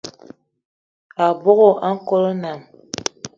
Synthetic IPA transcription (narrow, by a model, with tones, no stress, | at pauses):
a˨bɔ˦ɣɔ˦ʔa˦ŋ̩˦kɔ˦lɔ˦na˨m